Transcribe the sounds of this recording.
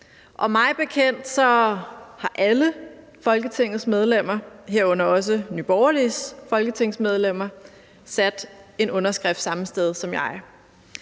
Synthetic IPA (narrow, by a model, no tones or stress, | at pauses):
ʔɒ̽mɑ̈ɪb̥e̝kʰen̰d̥sɒ̽hɑ̈ʔælə | fɒ̽lɡ̥ət͡sʰe̝ŋ̰ð̩ˠsmeð̞ˠlem̰ɐɦeɐ̰ɔ̽n̰ɐɒ̽s̬ənyb̥ɒʊɐlisfɒ̽lɡ̥ət͡sʰe̝ŋ̰smeð̞ˠlem̰ɐ | sæd̥e̝nɔ̽nɐsɡ̥ʁɛfd̥sɑ̈məsd̥eð̞ˠsɒ̽mjɑ̈ɪ